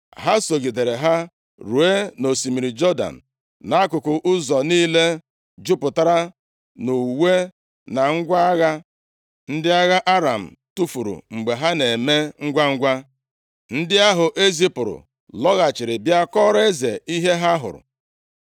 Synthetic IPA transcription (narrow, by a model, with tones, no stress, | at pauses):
ɦa˦so˨ɡi˨de˨ɾe˨ɦa˦ | ɾu˨e˦no˨si˨mi˨ɾi˨d͡ʒɔ˦da̰˨n̩˨ | na˦kʊ˨kʊ˨ʔʊ˦zɔ˨niː˦le˦ | d͡ʒʊ˦pʊ˨ta˦ɾa˦ | nu˨we˦ | na˨ŋ̩˦ɡʷa˦a˦ɣa˦ | n̩˦dɪ˦a˦ɣa˦ʔa˦ɾa˨m̩˨tu˦fu˨ɾṵ˨ŋ͡m̩˨ɡ͡be˨ɦa˦ne˨me˦ŋ̩˦ɡʷa˦ŋ̩˦ɡʷa˦ | n̩˦dɪ˦a˦ɦʊ˨ʔe˦zi˦pʊ˨ɾʊ̰˨ | lɔ˦ɣa˨t͡ʃɪ˨ɾɪ˨bja˦kɔ˦ɾe˦ze˨i˦ɦe˦ɦa˦ɦʊ̰˨ɾʊ̰˨